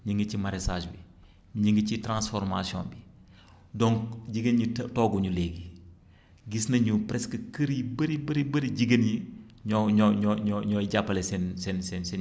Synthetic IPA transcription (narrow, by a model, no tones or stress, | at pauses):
ɲiŋɡit͡ʃimaɾesaːʃbi | ɲiŋɡicitɾãnsfɔɾmasiɔ̰̃nbi | dɔŋkɟiɡənɲitɔɡuɲuleɡi | ɡisnɐɲupɾɛskəkəɾibəɾibəɾibəɾiɟiɡənji | ɲɔɲɔɲɔɲɔɲɔɟapːɐlɛsɛnsɛnsɛnsɛn